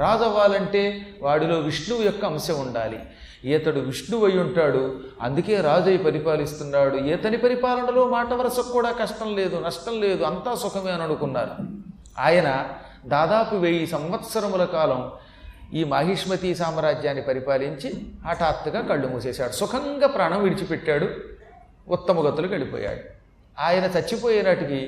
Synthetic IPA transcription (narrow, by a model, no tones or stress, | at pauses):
ɾaːd͡ʒɐʋːaːlɐɳʈe̞ːʋaːɽilo̞ːʋiʂɳuʋjɔkːɐːmɐsjɐmuɳɖaːlḭ | ɛːt̪ɐɽuʋiʂɳuʋɐjuɳʈaːɽu | ɐ̰nd̪uke̞ːɾaːd͡ʒɐjipɐɾipaːlist̪unːaːɽuɛːt̪ɐnipɐɾipaːlɐnɐlo̞ːmaːʈɐʋɐɾɐsɐkːuːɽaːkɐʂʈɐmle̞ːd̪unɐʂʈɐmle̞ːd̪uɐnt̪aːsukʰɐmeːnɐɽukunːa̰ːɾu | a̰ːjɐnɐ | d̪aːd̪aːpuʋeːjisɐmʋɐt̪sɐɾɐmulɐkaːlɐm | iːmɐɦiʂmɐt̪isaːmɐɾaːd͡ʒjaːnːipɐɾipaːliɲt͡ʃiaːʈaːp̚t̪uɡaːkɐɭːumɐseːsa̰ːɽusukʰɐŋɡaːpɾaːɳɐmʋiɽit͡ʃipɛʈːaːɽuː | t̪ːɐmɐɡɐt̪ːulukɐɭipɔ̰ːja̰ːɽu | aːjɐnɐt̪ɐt͡ʃːipo̞ːjɐnɐʈiki